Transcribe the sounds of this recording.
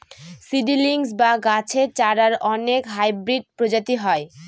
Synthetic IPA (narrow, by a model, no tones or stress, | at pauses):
siɖiliŋsbaɡat͡ɕʰet͡ɕaɽaɾɔnekɦajbɾiɖ̚pɾod͡ʑat̪iɦɔe